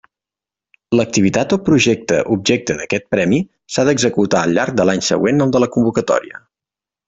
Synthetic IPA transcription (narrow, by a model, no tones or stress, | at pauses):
lək̚t̪iβit̪at̪ɔpɾuʒɛk̚t̪ə̰ʔub̚ʒek̚t̪ənəkɛt̪̚pɾɛmi | saðəɡzəkut̪aəlʎːaɾk̚d̪əlaɲsə̰ɣ̞wenəlˠd̪ələkumbukət̪ɔ̰ɾiə̰